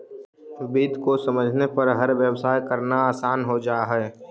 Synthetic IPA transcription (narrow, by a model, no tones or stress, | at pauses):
biːd̪kosɐməd͡ʒʱnepəɾɦəɾʋjəwsaːjkəɾnaaːsaːnɦod͡ʒaːɦɛ